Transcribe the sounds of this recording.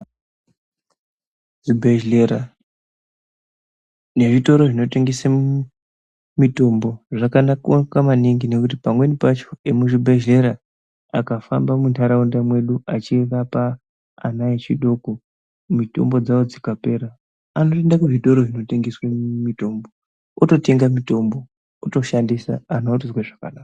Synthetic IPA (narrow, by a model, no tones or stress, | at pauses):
d͡zibʱeʒeɾa | ne̞ʐito̞ɾo̞ʐino̞te̞ŋɡesa | mito̞mbo̞ʐakanakokamaniŋɡine̞kutipamwe̞nipat͡ʃo̞emuʐibʱeʒle̞ɾa | akafambamuntʰaɾaundamwe̞ɗuat͡ʃikapa̰ː | naet͡ʃiɗo̞ko | mito̞̰mbo̞d͡zaod͡zikape̞ɾa | ano̞te̞ndakuʐito̞ɾo̞ʐino̞te̞ŋɡeswemito̞mbo | oto̞te̞ŋɡamito̞mbo̞ | oto̞ʃandisa̰anautuzweʐakanaːkka